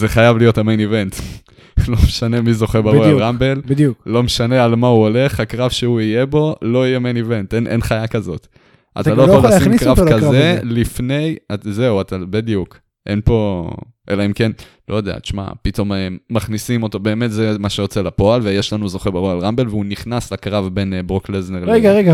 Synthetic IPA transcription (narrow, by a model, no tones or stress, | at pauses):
zeχajavlijo̞thamenive̞nt | lo̞meʃane̞mizo̞χebaʁoalʁambe̞lbidukːo̞meʃane̞almauole̞χhakʁavʃeuije̞bo̞lo̞ijemenive̞ntenʔḛnχajakazo̞t | ʔa̰t̪alojalχoaoalsimkʁavkazelifne̞jaze̞uat̪abid̪juk | ʔe̞̰npo̞ | ʔelaimke̞n | lojod̪ea̰tt͡ʃma̰pit̪o̞meːaχnisimo̞to̞be̞ːme̞tzemaʃejot͡se̞lapo̞alvejeʃlanuzo̞χebaʁoalʁambe̞lveuniχnaslakʁavbe̞nbʁoklezneʁleɡaʁeɡa